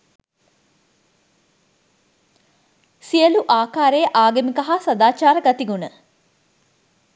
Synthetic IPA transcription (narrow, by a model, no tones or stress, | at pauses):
siəluʔaːkaːɾejəʔaːɡəmikɐɦasɐd̪aːt͡ʃaːɾəɡɐt̪iɡunə